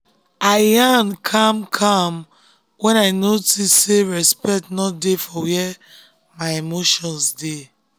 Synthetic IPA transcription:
ajankʰãmkʰãm | wɛ̃naɪnotisːeɹɛspɛtnɔdefɔwɛ | majemoʃɔ̃nsde

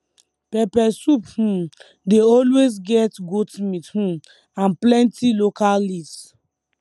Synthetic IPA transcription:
pɛpɛsuphũ | deɔlwezɡɛtɡotmithũ | ãnplɛ̃ntilokalːis

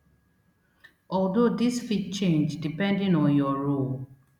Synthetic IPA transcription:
ɔldodisfit̚t͡ʃẽnd͡ʒdipɛ̃ndĩnɔ̃njɔɹol

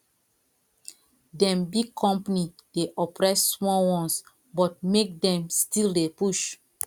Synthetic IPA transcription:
dɛ̃mbiɡkʰɔ̃mpanid̥eʔɔpɹɛsːmɔwɔ̃ns | bɔt̚mek̚dɛ̃mstildepuʃ

